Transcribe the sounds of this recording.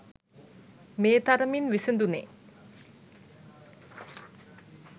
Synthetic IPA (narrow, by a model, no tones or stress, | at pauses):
meːt̪aɾəminʋisend̪unḛ